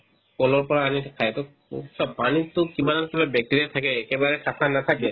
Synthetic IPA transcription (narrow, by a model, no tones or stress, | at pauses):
kolɔɹpɔɹaanikʰajt̪o̰ | t͡ʃʰɔpanit̪okibanankibabjɛk̚tiɹiɛt̪ʰakɛːkebaɹɛkakʰanat̪ʰakɛ